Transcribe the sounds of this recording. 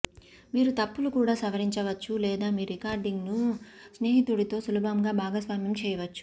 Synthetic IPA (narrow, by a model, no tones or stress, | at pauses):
miːɾut̪ɐpːulukuːɽaːsɐʋɐɾiɲt͡ʃɐʋɐt͡ʃːulɛːd̪aːmiːɾɾikaːɾɖiŋɡnusneːɦit̪uɽit̪o̞ːsulubʱɐmɡaːbʱaːɡɐsʋaːmjɐmt͡ʃɛːjɐʋɐt͡ʃːu̥